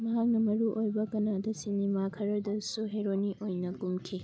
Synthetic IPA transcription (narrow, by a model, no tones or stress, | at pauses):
mɐɦak̚nɐmɐɾuʔojbɐkɐnadɐsinimakʰɐɾɐdɐsuɦeɾoniʔojnɐɡumkʰi